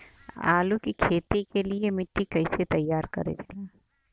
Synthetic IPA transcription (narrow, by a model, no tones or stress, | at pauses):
a̰ːlukikʰeːt̪ikeliemɪʈʰːikɐɪset̪ɐjːaːɾkɐ̰ɾḛd̪aː